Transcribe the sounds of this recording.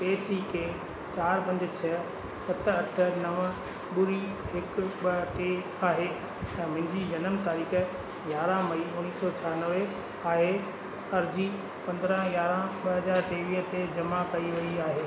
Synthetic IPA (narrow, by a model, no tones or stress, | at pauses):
peːsikʰeː | t͡ɕaːɾpɐ̃ɲd͡ʑɪt͡ɕʰɐ | sɐt̪ɐʈʰə̆nɐʋ | ɓʊɾi | ɦɪkɓɐʈe | aːɦeː | ɛ̃ːmɐ̃ɦɪ̃ɲd͡ʑid͡ʑɐnəmt̪aːɾiːxə | jaːɾãmɐiʊniːsɔt͡ɕʰaːɾnəʋe | aːɦe | ɐɾd͡ʑi | pɐ̃nd̪ɾə̃ɡjaːɾãɓɐɦɐzaːɾʈ̪eːʋiːɦt̪ed͡ʑɐmakɐiʋɐiaːɦeː